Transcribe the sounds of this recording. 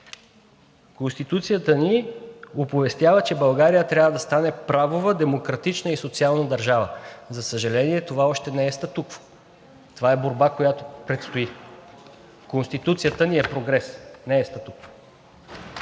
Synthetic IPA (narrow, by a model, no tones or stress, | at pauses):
konst̪it̪ut̪sijət̪əniopovɛst̪javət͡ʃɛbɐlˠɡaɾijət̪ɾʲabvəd̪ɐst̪anɛpɾavovəd̪ɛmokɾɐt̪it͡ʃnəisot̪sialˠnəd̪ɐɾʒavəzɐsəʒɐlɛniɛt̪ovaɔʃt̪ɛnɛɛst̪ət̪ukvo̥ | t̪ovaɛboɾbakojat̪opɾɛt̪st̪oi | konst̪it̪ut̪sijət̪əniɛpɾoɡɾɛsnɛːst̪ət̪ukvo̥